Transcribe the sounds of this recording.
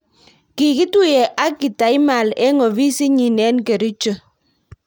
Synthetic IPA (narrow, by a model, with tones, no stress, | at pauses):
ki˨ki˦tu˦jɛ˨ʔa˦ki˨ta˨i˦ma˨lɛ˦ŋɔ˨βi˦si˦ɲi˨nɛ˦nke˨ɾi˦t͡ʃə˨